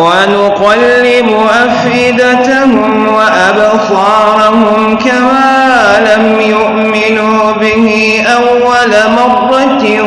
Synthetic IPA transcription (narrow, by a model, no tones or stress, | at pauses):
wanʊqɑlːɪbʊʔaf | ɪd̪at̪ahʊm | waʔab | sɑːɾʊhʊmkamaː | lamjʊʔmɪnuː | bɪhɪ | ʔawːalamɑrˤːɑt̪